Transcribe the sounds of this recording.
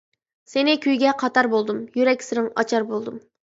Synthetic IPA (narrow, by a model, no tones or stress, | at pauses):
senɪkʲʰyjɡʲɛqʰɑt̪ɑɾbolˠd̪umjyɾɛkʲsɪɾɪŋɑ̰t͡ʃʰɑɾbolˠd̪um